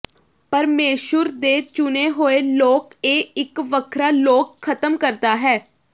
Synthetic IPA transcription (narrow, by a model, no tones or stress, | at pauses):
pəɾmeːʃəɾd̪eːt͡ʃʊneːɦoːeːloːkeːɪkʋəkʰɾaːloːkʰːət̪əmkəɾt̪aːɦɛː